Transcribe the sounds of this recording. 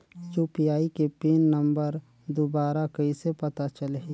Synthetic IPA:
juːpiaːikepeːnːəmbəɾ | d̪obaːɾakɐisepɐt̪at͡ʃəlɦe

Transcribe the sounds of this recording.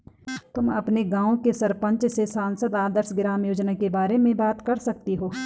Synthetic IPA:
t̪ʊmɐ̰pneɡãːõkesɐɾpə̃ɲt͡ʃsesaːnsəd̪aːd̪əɾʃɡɪɾaːmjoːd͡ʒnakebaːɾemẽbaːt̪kɐɾsɐk̚t̪eɦoː

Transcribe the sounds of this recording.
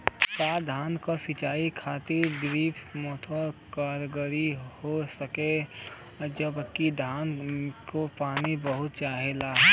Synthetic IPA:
saːd̪ʱaːnkasɪt͡ʃaːikʰaːt̪ɪɾd̪ɾiːpʰmɔːt̪ʰokaːɾɡəɾihosəke | d͡ʒəbkːid̪ʱaːnkopaːnibəɦʊt̪̚t͡ʃaːɦelaɦɛ

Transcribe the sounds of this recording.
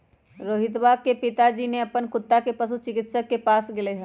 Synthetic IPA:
ɾoːɦɪt̪̬ʋaːk̚kepɪt̪ad͡ʒiːneɐpənkʊt̪ːakepɐsut͡ʃɪkɪt̪səkːepaːsɡɪleɦɛ̃ː

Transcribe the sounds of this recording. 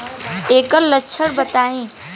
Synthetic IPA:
eːkəllɐtːʃʰəɽbɐt̪aːẽː

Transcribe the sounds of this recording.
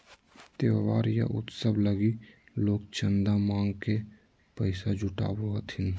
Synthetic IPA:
t̪eʋaːɾjə̰ʔʊ̰t̪səbləɡiloːk̚t͡ʃənd̪amaːŋɡke | pəɪsad͡ʒʊʈa̰ːboɦət̪ʰɪn

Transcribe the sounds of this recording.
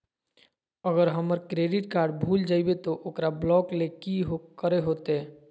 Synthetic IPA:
əɡəɾɦəməɾkɾeɖɪʈkaːɾɖbʱuld͡ʒaːibet̪oʔokɾablɔklekiɦokəɾeɦot̪e

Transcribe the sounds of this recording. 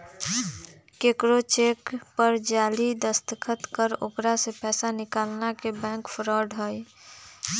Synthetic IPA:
keːkɾot͡ʃeːkpəɾd͡ʒaːlid̪əst̪əkʰət̪kəɾo̰kɾasepɛːsanɪkaːlnakebɛ̃ːŋkpʰɾɔɖɦəj

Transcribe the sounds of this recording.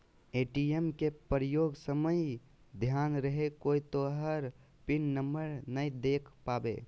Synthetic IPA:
eʈiemkepɾjoːɡsəməj | d̪ʱjanɾəɦekoːit̪oəɦəɾ | pɪnːəmbəɾnəid̪ekʰpaːbḛ

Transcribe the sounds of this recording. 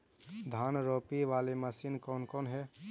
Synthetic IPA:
d̪ʱanɾoːpiʋaːleməsinkɔːnkɔːnɦɛ

